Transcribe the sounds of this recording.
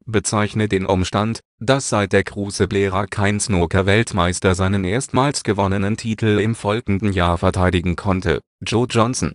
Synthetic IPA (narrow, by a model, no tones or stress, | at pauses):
b̥ət͡saɪçnədeːnʔʊmʃtant | d̥asz̥aɪt̚d̥eːɐɡʁuːsəbleːʁɐkʰaɪnsnoːkɐvɛltmaɪstɐzaɪnənʔeːɐstmaːlsɡ̥əvɔnənəntʰiːtʰl̩ɪmfɔlɡŋ̩dn̩jaːɐfɛɐtʰaɪdɪɡŋ̩kʰɔntə̰ | d͡ʒoːd͡ʒɔnsn̩